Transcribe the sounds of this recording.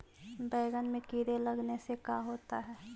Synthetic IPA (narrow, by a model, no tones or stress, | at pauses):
bɛːɡənmẽkiːɾelɐɡnesekaɦoːt̪aɦɛː